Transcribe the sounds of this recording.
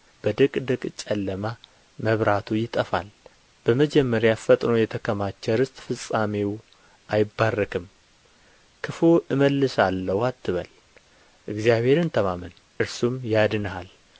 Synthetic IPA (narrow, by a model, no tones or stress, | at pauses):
b̥əd̪ɨkʼd̪ɨkʼt͡ʃʼəlːəma | məβɾat̪ʰujɪt̪ʼəfa̰l | b̥əməd͡ʒɛmːəɾjafət̪ʼnojɛt̪ʰəkʰəmat͡ʃːɛɾɨst̪ʼfɨsʼamew | ʔajɪbːarːəkʰɨm | kʰɨfoʔɨməlːɨsalːəwat̪ʰːɨβə̰l | ʔɨɡzijaβhe̞ɾɨnt̪ʰəmamɨn | ʔɨɾsumjad̪ɨnəhal